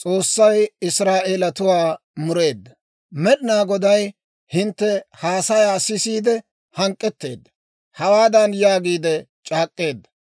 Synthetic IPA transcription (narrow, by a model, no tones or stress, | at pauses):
t͡sʼo̞ːsːɐjɪsɾaːʔeːlɐt̪ʊwaː | mʊɾe̞ːd̪ːɐ | mɛɗɪnaːɡɔd̪ɐj | hɪnt̪ːɛhaːsɐjaːsɪsiːd̪ɛ | hɐŋkʼːɛt̪ːe̞̰ːd̪ːɐ̥ | hɐwaːd̪ɐnjaːɡiːd̪ɛ | t͡ʃʼaːkʼːe̞ːd̪ːɐ